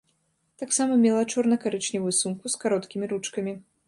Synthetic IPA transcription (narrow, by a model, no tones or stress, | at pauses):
t̪aksamɐmʲɛlˠɐt͡ʂɔrnɐkaɾɨt͡ʂnʲɛvɨsunkuskaɾɔt̪kʲimʲiɾut͡ʂkɐmʲi